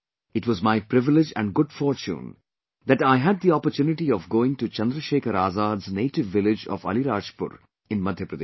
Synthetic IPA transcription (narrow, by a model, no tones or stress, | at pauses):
ɪʈʋɔzmaɪpɾɪʋɪlɪd͡ʒæ̰̃ɳɖɡʊɖfɔːɾt͡ʃṵ̃ːn | d̪æʈaɪɦæɖ̚d̪iɔpəɾt͡ʃjuːnɪʈiɔʋɡoːɪ̃ŋʈut͡ʃɐ̃nd̪ɾəʃeːkʰəɾaːzaːd̪zneːʈɪʋːɪlɪd͡ʒɔ̰ʋʌ̰liɾaːd͡ʒpʊ̰ɾ | ɪ̃nmʌd̪ʱjəpɾəd̪e